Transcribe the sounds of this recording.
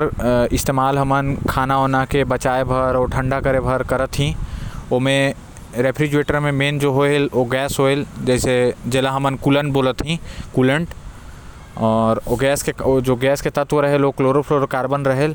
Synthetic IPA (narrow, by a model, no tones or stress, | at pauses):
ɾɪst̪eːmaːlɦɐmənkʰaːnaoːnakebɐt͡ʃaːebʱəɾɔːɾʈʰə̃ɳɖakəɾebʱəɾkəɾət̪ɦĩoːmẽ | ɾeːpʰɾid͡ʒueːʈəɾmẽmeːnd͡ʒoːɦoeloɡɛːsɦoeld͡ʒɛːsed͡ʒɛːlaɦɐmənkulənboːlət̪ɦĩkuːlə̃ɳʈ | ɔːɾoɡɛːsked͡ʒoːɡɛːsket̪ɐt̪wəɾəɦeloːkloːɾəpʰɾoɾkaːɾbənɾəɦel